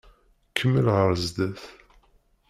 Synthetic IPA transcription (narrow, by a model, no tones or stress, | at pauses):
kʰːəmːəlʁəɾzd̪æθ